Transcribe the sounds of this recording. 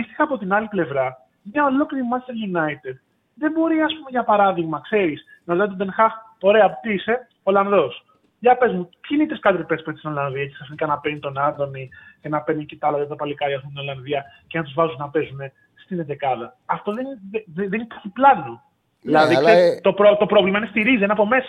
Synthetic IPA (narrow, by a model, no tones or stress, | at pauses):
ist̪i̥xɐːpo̞t̪inɐliple̞vɾɐ | mɲɐo̞lo̞kliɾimɐst̪eɾʝunɐit̪ed̪̚ | ðe̞mbo̞ɾiɐspumeʝɐpɐɾɐðiɣmɐkse̞ɾis | nɐt̪ɐt̪obenxɐxo̞ɾe̞ɐpot̪iise̞ | o̞lɐnðo̞s | ʝɐpe̞zmupçinit̪eskɐd̪ɾipespesinolɐnðiɐci̥ksɐfinikɐnɐpenit̪o̞nɐɾd̪o̞nicenɐpenicit̪ɐlɐðievðopɐlikɐjɐs̬pomt̪ino̞lɐnðiɐcenɐt̪uzvɐzunnɐpe̞zune̞ | st̪inet̪ekɐðɐːft̪o̞ðenðeninpɐçiplɐno | ðilɐðikseɾt̪o̞pɾot̪o̞pɾo̞vlimɐinest̪iɾizienɐpo̞me̞sɐ̥